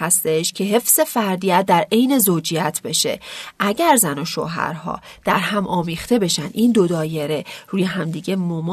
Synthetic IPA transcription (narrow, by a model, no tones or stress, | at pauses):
æst̪eʃcʰe̞ɦe̞fz̥e̞fæɾd̪iæt̪̚d̪æɾe̞jne̞zoːd͡ʒijæt̪ʰbe̞ʃe̞̰ʔæɟæɾzænoʃo̰ːɦæ̰ɾɦɒ̰ːd̪̥æɾhæmʔɒːmiːxt̪e̞be̞ʃænd̪ʔind̪o̞d̪ɒːje̞ɾeɾuːjeɦæmd̪iːɟe̞momː